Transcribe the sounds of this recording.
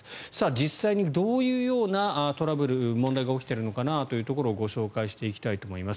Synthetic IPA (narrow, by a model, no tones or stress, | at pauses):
sad͡ʑisːaiɲ̟id̪o̞ːjɯ̟ːjo̞ːnat̪o̞ɾabɯ̟ɾɯ̟mõ̞nd̪aiɡao̞kʲi̥t̪e̞ɾɯno̞kanat̪ojɯ̟ːt̪o̞k̬o̞ɾo̞ːɡo̞ɕo̞ːkaiɕi̥t̪e̞ikʲi̥t̪ait̪o̞ːmo̞imas